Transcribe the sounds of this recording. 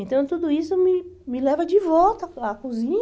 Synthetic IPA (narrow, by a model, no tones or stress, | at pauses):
ẽnt̪ɐ̃w̃t̪ud̪ʊisʊmɪmɪlɛvɐd͡ʒɪvɔwt̪ɐakuzĩɲ